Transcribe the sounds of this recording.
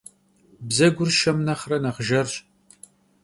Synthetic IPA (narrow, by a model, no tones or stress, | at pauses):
bzɐɡʷʊrʃɐmnɐχrɐnɐʁʒɐrɕ